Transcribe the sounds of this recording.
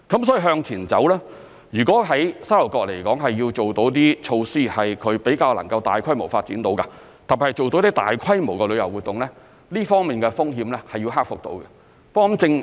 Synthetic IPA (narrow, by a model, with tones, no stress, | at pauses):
kɐ˨˥msɔː˨˥i˧ɦœː˧ŋt͡sʰiː˨˩nt͡sɐ̰˨˥wlɛː˥ | jyː˨˩kɔː˨˥ɦɐ˨˥jsaː˥lo˨˩kɔː˧k̚le˨˩jkɔ̰ː˨˥ŋɦɐ˨jːiː˧wt͡ʃo˨wt̪o˨˥wt̪̬iː˥t͡ʃʰo˧wsiː˥˩hɐ˨jkʰɵ˨˧ɥpe˨˥jkaː˧wlɐ˨˩ŋkɐ˧wt̪aː˨jkʰɐ˥jmo˨˩wfaː˧t̚t͡siː˨˥nt̪o˨˥wka˧ | t̪a˨˩pi˨˩hɐ˨˩jt͡so˨wt̪o˨˧˥wt̪iː˥t̪a̰ː˨jkʰɐ˥jmo˨˩wkɛ˧lɵ˨˧jɐ˨˩wuː˨t̚t̪ːʊ˨˩ŋlɛː˥ | liː˥fɔː˥ŋmiː˨˩nkɛ˧fʊ˥ŋɦiː˧mlɛ˥hɐ˨jiː˧wɦaː˥k̚fʊ˨k̚t̪o̰˨˥wkɐ˧ | pkːɔ˨˧˥mt͡sɪ˧ŋ